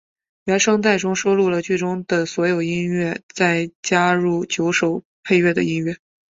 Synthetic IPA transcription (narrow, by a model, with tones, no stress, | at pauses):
ɥɛ˧˥nʂɤ˥˧ŋt̪a˥˩ɪʈ͡ʂʊ˥ŋʂo˥ʊlu˥˩lə˩t͡ɕi˥˩ɪʈ͡ʂʊ˥ŋd̪ə˨swɔ˧˥jo˨˩ʊi˥nɥɛ˥˧t͡sa˥˩ɪt͡ɕja˥ɻu˥˩t͡ɕjo˧˥ʊʂo˨˩ʊ | pʰe˥˧ɪɥɛ˥˩d̪ə̰˩i˥nɥɛ˥˩